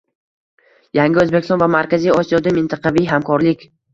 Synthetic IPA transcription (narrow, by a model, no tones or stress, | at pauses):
jaŋɡʲɪɵzbekʲɪst̪ɒnvamaɾkʲazijɒsijɒd̪amɪnt̪ʰɑqʰɑvijɦamkʰɒɾlɪkʲ